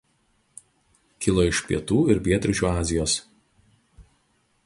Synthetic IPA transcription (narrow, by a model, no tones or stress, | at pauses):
kʲɪlˠoɪʃpʲḭɛt̪uːɪɾpʲiɛt̪ʲɾʲɪt͡ʃʲuːɑːzʲɪjoːs